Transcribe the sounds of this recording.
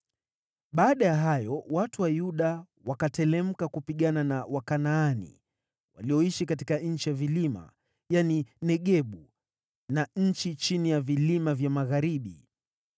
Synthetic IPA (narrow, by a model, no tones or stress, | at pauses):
ɓaːɗajaɦajɔwatuwajuɗa | wakatɛlɛm̩kakupiɠananawakanaːnḭ | wa̰liɔiʃikati̥kaɲ̩t͡ʃijavilima̰ | janinɛɠɛɓu | naɲ̩t͡ʃit͡ʃinijavilimavjamaɣaɾiɓḭ